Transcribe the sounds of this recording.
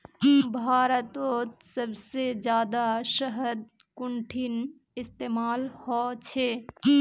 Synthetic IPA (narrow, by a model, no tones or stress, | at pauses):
bʱaːɾət̪ot̪səbsed͡ʒjaːd̪asəɦəd̪̚ | kuɳʈʰin | ɪst̪emaːlhɔt͡ʃʰe